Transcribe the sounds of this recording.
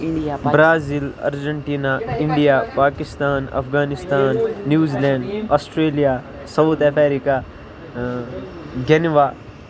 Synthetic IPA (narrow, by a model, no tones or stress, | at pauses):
bɾaːzilɐ̰ɾd͡ʒəɳʈiːnaɪɳɖijaːpaːkɪst̪aːnɐ̰fɡaːnɪst̪aːnːjuːzilɛ̃ːɳɖaːsʈɾeːlijaː | sɐwt̪epʰeːɾika | ɡɛnʋaː